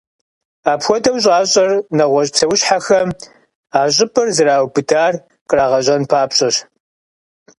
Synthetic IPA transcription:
aːpxʷɔdɐwɕʼaːɕʼɐrnɐʁʷɔɕʼpt͡sʰɐwʊɕħaxɐm | aːɕʼɪpʰʼɐrzɨraːwbɨdaːr | qraːʁɐɕʼɐnpʰaːpɕʼɐɕ

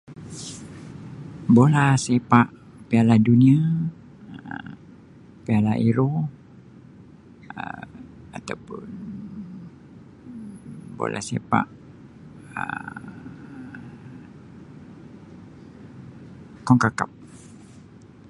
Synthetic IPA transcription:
bolahsepaʔ | pialahdunia | pialaʔiɾo | ə̰ | at̪awpʊn | bo̰lʔa̰hsḛpa̰ʔ | ə̰ | kɔŋkakap̚

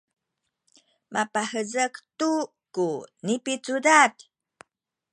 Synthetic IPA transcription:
mʔapahəzəktu | kunipit͡sudat

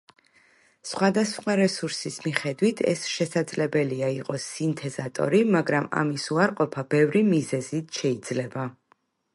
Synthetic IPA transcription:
sχwad̪asχwaɾɛsuɾsismiχɛd̪wit̪ʰɛ̰sʃɛsad̪zlɛbɛliaiqʼɔsint̪ʰɛzat̪ʼɔ̰ɾimaɡɾama̰misuaɾqʼɔpʰab̥ɛvɾimizɛzit̪ʰʃɛid̪zlɛba

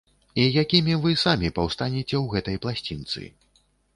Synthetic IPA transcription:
ijakʲimʲivɨsamʲipɐwst̪anʲɛt͡sʲɛwɣɛt̪ɐjplˠasʲt͡sʲint̪sɨ̰

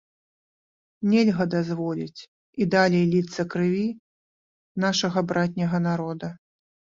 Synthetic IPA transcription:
nʲɛlʲɣɐd̪azvɔlʲit͡sʲ | id̪alʲejlʲit̪sːɐkɾɨvʲi | naʂɐɣɐbɾat̪ʲnʲɐɣɐnaɾɔd̪ɐ

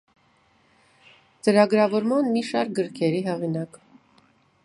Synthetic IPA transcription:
t͡səɾɑɡɾɑvɔɾmɑnmiʃɑɾk̚ɡəɾkʰɛɾiɦɛʁinɑk

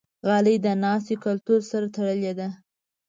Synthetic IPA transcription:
ɣɑləjd̪ənɑs̬t̪ikʊlt̪uɾsaɾat̪aɽəled̪a

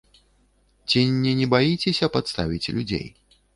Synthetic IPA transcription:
t͡sʲinʲːɛnʲɛbajit͡sʲesʲɐpat̪st̪a̰vʲit͡sʲlʲud͡zʲḛj

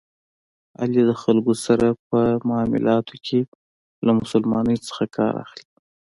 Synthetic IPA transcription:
a̰ljed̪əxalɡosaɾap̚əmɑmɪ̰lɑt̪ʰokʰe | lamʊsəlmɑnəjt͡sə̥xakʰɑ̰ɾa̰xli

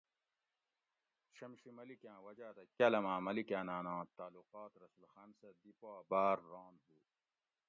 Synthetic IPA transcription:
ɕɐmɕimɐlikjãːwɐd͡ʑaːt̪ɐkʲɐlɐmãːmɐlikãːnãːnãːt̪aːluqaːt̪ɾɐsulxɐnsɐd̪ipaːbaːɾːoːnbuː

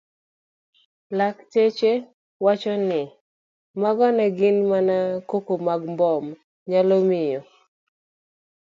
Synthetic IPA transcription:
laktet͡ʃe | wat͡ʃɔnɪ | maɡɔnɛɡɪnmanakokomaɡmbɔm | ɲalɔmɪjɔ

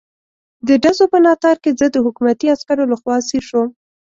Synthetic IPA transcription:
d̪əɖazopənɑt̪ɑɾkezəd̪əɦʊkumat̪iaskaɾolaxwɑsiɾʃwəm

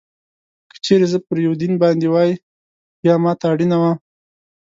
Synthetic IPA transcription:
kə̥t͡ʃeɾezəpəɾjawd̪inbɑnd̪ewɑjə | bjɑmɑt̪aːɽinawa

